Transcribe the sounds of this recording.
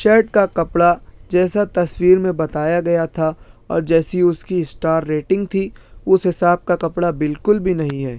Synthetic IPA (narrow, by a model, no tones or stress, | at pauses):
ʃɛːʈ̚kakɐpɽad͡ʒɛːsat̪ɐswiːɾmẽbɐt̪aːjaɡɐjat̪ʰaɔ̰ːɾd͡ʒɛːsiʊskiɪsʈaːɾːeːʈɪ̃ŋɡ̚t̪ʰiʊsɦɪsaːb̚kakɐpɽabɪlkʊlbʱinɐɦĩɦɛː